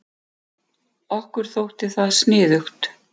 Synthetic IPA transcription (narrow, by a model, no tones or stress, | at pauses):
ɔhkʏɾ̥θowht̪ɪθaðsnɪːðʏxt̪